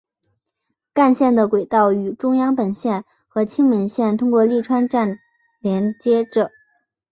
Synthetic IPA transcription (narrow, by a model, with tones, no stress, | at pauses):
ka˥˧nɕjɛ˥˩nd̪ə˩kwe˨˩ɪt̪ɑ˥˩ʊy˨˩ʈ͡ʂʊ˥ŋjɑ˥ŋpə˨˩nɕjɛ˥˩n | xɤ˧˥t͡ɕʰi˥ŋmə˧˥nɕjɛ˥˩nt̪ʰʊ˥ŋkwɔ˥˧li˥˩ʈ͡ʂʰwa˥nʈ͡ʂa˥˩n | ljɛ˧˥nt͡ɕjɛ˥ʈ͡ʂɤ˨˩˦